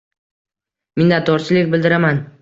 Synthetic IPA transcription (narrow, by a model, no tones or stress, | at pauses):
mɪnd̪at̪ʰɒɾt͡ʃʰɪlɪkʲbɪld̪ɪɾaman